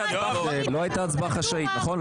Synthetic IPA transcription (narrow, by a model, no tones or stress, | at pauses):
zeloajt̪at͡sbaχaʃainaχo̞n